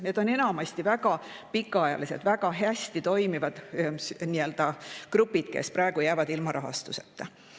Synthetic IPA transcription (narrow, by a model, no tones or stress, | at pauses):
ned̪̥o̞ne̞nɑmɑst̪ivæɡ̥ɑ | pikːˑɑɑjɑ̰lise̞d̪̥væɡ̥ɑɦæsʲt̪it̪o̞jmivɑd̪̥sniø̞ld̪̥ɑkrupːˑid̪̥̚kḛspɾɑeɡ̥ujæːvɑd̪ilmɑɾʔɑɦɑ̰st̪uset̪ːˑe